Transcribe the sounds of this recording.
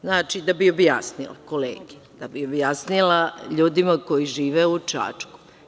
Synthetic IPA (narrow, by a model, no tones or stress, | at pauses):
znaːt͡ʃid̪abio̞bjasnḭlˠa̰ko̞lḛːɡed̪̥abiobjasnilaʎuːd̪imako̞jiʒiːʋeut͡ʃa̰ːt͡ʃku̥